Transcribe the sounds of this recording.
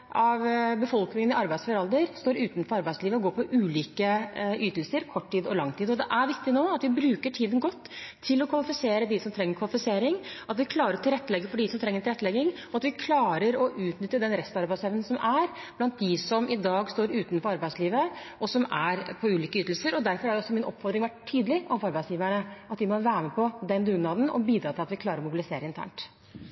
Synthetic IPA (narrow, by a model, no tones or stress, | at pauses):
ʔɑʋbəfɔlknɪŋənɪɑɾbæɪsfɔɾɑld̪əɾst̪oːɾʉːt̪n̩fɔɾɑɾbæɪsliːʋəɔɡoːpʰɔʔʉːliːkəʔyːt̪əlsəɾkʰɔʈʰːiːd̪ɔlɑŋːt̪ʰiːd̪ɔd̪ɛʔæɾʋɪkt̪ɪnoːɑt̪ʋɪbɾʉːkəʈʰiːd̪ənɡɔt̪ːʰɪlɔkʰʋɑlɪfɪseːɾəd̪ɪsɔmt̪ʰɾɛŋːəɾkʰʋɑlɪfɪseːɾɪŋɑt̪ʋɪkʰlɑːɾəɾɔt̪ʰɪlɾɛt̪ːəlɛɡːəfɔɖisɔmt̪ʰɾɛŋːəɾʈ̪ʰɪlɛt̪ːlɛɡɪŋɔɑt̪ʋɪkʰlɑːɾəɾɔʔʉːt̪nʏt̪ːəd̪ɛnɾɛst̪ɑɾbæɪsɛʋnn̩sɔmæɾ | b̥lɑnt̪̚d̪ɪsɔmʔɪd̪ɑːɡst̪oːɾʉːt̪nfɔɾɑɾbæɪsliːʋəʔɔsɔmæɾpʰɔʉːliːkəyːt̪l̩səɾɔd̪æɾfɔɾhɑɾjɔsːɔmɪnʔɔ̰pːfɔɾd̪ɾɪŋʋæʈt̪ʰːyːd̪əlɪʔɔfɑɾbæɪsjiːʋæɳəɑt̪d̪ɪmɔʋæːɾəmɛpʰɔd̪ɛnd̪ʉɡnɑːd̪n̩ɔ̰biːd̪ɾɑːt̪ɪlɑt̪ʋɪkʰlɑːɾəɾɔmʊbɪlɪseːɾəɪnt̪ʰæ̰ːɳʈ